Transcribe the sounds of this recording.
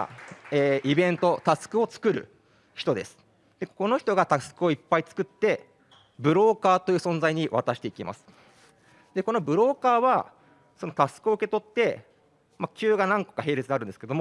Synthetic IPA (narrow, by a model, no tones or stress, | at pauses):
eːʔibẽ̞nt̪o̞t̪asɨ̥kɯ̟o̞t͡sɨ̥kɯ̟ɾɯ̟̰ | çi̥t̪o̞d̪e̞sɨ̥ | d̪̥e̞ko̞no̞çi̥t̪o̞ɡat̪asɨ̥kɯ̟o̞ipːait͡sɨ̥kɯ̟t̪ːe̞ | bɯ̟ɾo̞ːkaːt̪ojɯ̟ːsõ̞nd͡zaiɲ̟iβa̰t̪aɕi̥t̪e̞ikʲima̰sɨ̥ | d̪̥e̞ko̞no̞bɯ̟ɾo̞ːkaːβa | so̞no̞t̪asɨ̥kɯo̞ɯ̟ke̞t̪o̞t̪ːe̞ | mat͡ɕɨːɡanãŋko̥kaɦe̞ːɾe̞t͡sɨd̪eaɾɯ̟nd̪esked̪oo